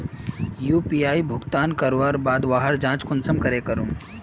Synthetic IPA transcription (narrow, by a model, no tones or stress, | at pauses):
juːpiːaːibʱʊɡt̪aːnkəɾʋaːɾbaːd̪ʋaːɦəɾd͡ʒãːt͡ʃkʊnsəmkɐɾeːkɐɾũː